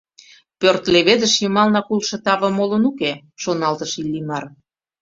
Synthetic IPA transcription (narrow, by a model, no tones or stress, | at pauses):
pørt̪leβed̪ə̆ʃjəmɑlnɑkulʃɤ̆t̪ɑβɤ̆molənuke | ʃonɑlt̪əʃilʲːimɑr